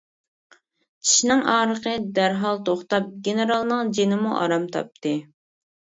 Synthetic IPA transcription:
t͡ʃʰi̥ʃnɪŋʔɑːɾəqəd̪æɾɦɑlˠt̪ʰoχt̪ɑp̚ɡʲenɨɾɑlˠnɨŋd͡ʒenɪmuʔɑ̰ɾɑmt̪ʰɑ̰p̚t̪ʰɨ

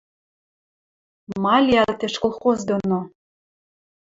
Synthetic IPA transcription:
mɑlʲiɑlt̪eʃkolˠχozd̪ono

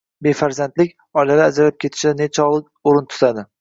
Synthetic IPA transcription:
be̞faɾzand̪lɪkʲ | ɒjlaɾaad͡ʒɾalap̚kʲʰe̞t̪ʰɪ̥ʃɪd̪anet͡ʃʰɒlˠɨk | oɾɪnt̪ʰʊ̥zad̪ɪ

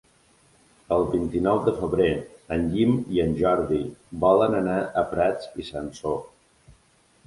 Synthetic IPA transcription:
əlˠbint̪inɔwd̪əfəβɾeənʎimiənʲʒɔɾðibɔlənənaʔəpɾɛt͡sisanso

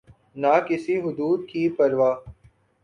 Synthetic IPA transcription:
naːkɪsiɦʊd̪uːd̪̚kiːpɐɾʋaː

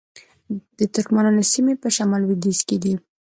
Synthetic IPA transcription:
d̪̥ət̪ʊɾkmanɑnasimepəʃamɑlwid̪isked̪i

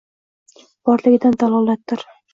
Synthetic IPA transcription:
b̥ɒɾlɪɡʲɪd̪and̪ɒlˠɒlˠat̪ːɪɾ

